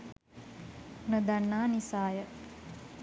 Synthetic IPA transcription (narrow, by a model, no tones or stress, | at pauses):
nəd̪anːaːnisaːjə